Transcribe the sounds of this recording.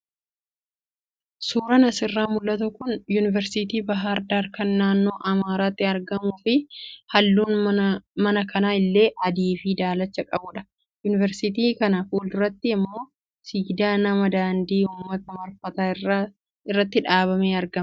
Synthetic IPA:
suːɾɐnɐsɪrːaːmʊlːɐt̪ʊkʊnjunɪvɛɾsɪt̪iːbɐɦaɾd̪aːɾkɐnːaːnːo̞ːʔɐmaːɾaːt̪ːɪɐɾɡɐmuːfɪhɐlːuːnmɐnɐkɐnaːɪlːe̞ːʔɐd̪iːfiːd̪aːlɐt͡ʃːɐkʼɐbʊᶑɐ̥ | jʊnɪvɛɾsɪt̪iːkɐnɐfuːldʊrːɐt̪ːɪːmːo̞ː | siɡd̪aːnɐmɐd̪aːnd̪iːhuːmːɐt̪ɐmɐɾfɐt̪aː | ɪrːɐt̪ːɪᶑaːβɐmeːɐɾɡɐm

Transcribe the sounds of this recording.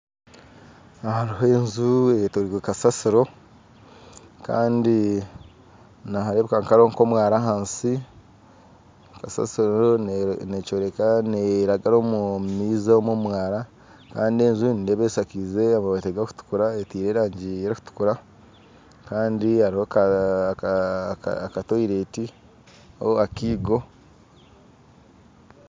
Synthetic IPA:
haɾiɦoenzuetoɾiɡekasasiɾo̞ | ka̰ːndi | nahaɾeβekaŋkaɾoŋko̞mwaːɾaɦaːnsi | kasa̰siɾonecoːɾekaneɾaɡaɾo̞mumiːzaomomwaːɾa | kaːndie̞ɲʒunindeβeːsakize̞aβoβateɡaku̥tu̥kuɾaetiːɾeːɾaːɲɟieɾiku̥tu̥kuɾa | kaːndihaɾihoka | katoiɾe̞ːti | oakiːɡo̞

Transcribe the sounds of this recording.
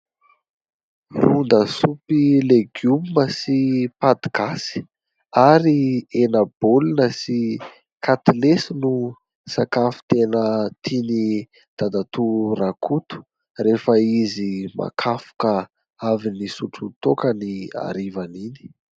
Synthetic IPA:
rund̪əsupileɡumməsipad̪iɡasi̥ | aɾienab̥olinəsi | kʰat̪ilesinu | sakafi̥t̪enət̪ʰini | d̪̥ad̪at̪urakʰut̪u̥ | refəizima̰kʰafu̥kə | avinisuʈ͡ʂut̪okənia̰ɾivanini̥

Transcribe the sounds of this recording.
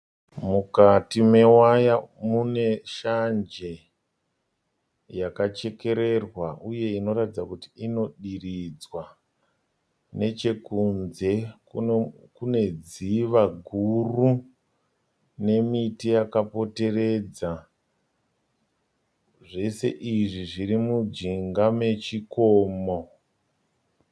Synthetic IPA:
mukatime̞wajamune̞ʃand͡ʒe̞ | jakat͡ʃe̞ke̞ɾe̞rwaʔuje̞ino̞ratid͡zakutiino̞ɗirid͡zwa | ne̞t͡ʃe̞kunze̞ | kune̞d͡ziʋaɡʱuru | ne̞mitijakapo̞te̞re̞d͡za | ʐe̞se̞̰ʔiʐiʐiɾimud͡ʒiŋɡame̞t͡ʃikoːmo

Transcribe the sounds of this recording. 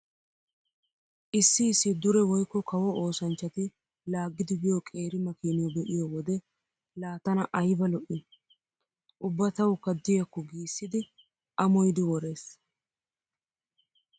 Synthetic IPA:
ʔɪsːɪːsːɪd̪ʊɾɛwɔjkːɔkɐwɔʔo̞ːsɐnt͡ʃːɐt̪ɪ | laːɡːɪd̪ɪbɪjɔkʼe̞ːɾɪmɐkiːnɪjɔbɛʔɪjɔwɔd̪ɛ | laːt̪ɐnɐʔɐjbɐlɔʔɪ | ʔʊbːɐt̪ɐwʊkɐd̪ːɪjɐkːɔɡiːsːɪd̪ɪ | ʔɐmɔjd̪ɪwɔɾe̞ːs

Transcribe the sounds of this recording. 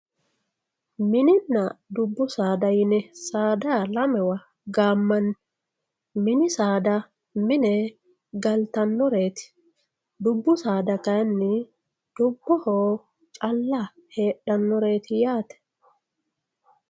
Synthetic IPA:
mɪnɪnːɐd̪ʊbːʊsaːd̪ɐjɪnɛsaːd̪alɐmɛwɐ | ɡaːmːɐnː | mɪnɪsaːd̪ɐ | mɪnɛ | ɡɐlt̪ɐnːɔɾe̞ːt̪ɪ̥ | d̪ʊbːʊsaːd̪ɐkɐjnːɪ | d̪̥ʊbːɔhoː | t͡ʃʼɐlːɐhe̞ːɗːɐnːɔɾe̞ːt̪ɪjaːt̪ɛ̥

